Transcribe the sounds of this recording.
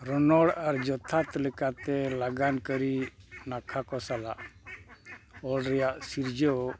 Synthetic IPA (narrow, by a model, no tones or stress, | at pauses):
ɾɔnɔɽaɾd͡ʒɔt̪ʰat̪lɛkat̪ɛlaɡankəɾinakʰakɔsala̰ʔ | ɔlɾɛjaʔsiɾd͡ʒɔ